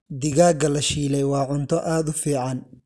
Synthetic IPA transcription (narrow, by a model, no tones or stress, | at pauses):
d̪ɪɣaːɡɐlɐʃiːlɛjwɑːʕʊnt̪ʰɔʔaːd̪ʊfiːʕɑn